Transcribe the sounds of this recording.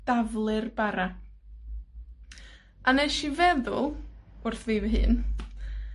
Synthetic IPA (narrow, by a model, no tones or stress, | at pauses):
d̥avlˠɨrbaɾa | anejʃivɛðʊlˠʊrθvivəɦɨ̰ːn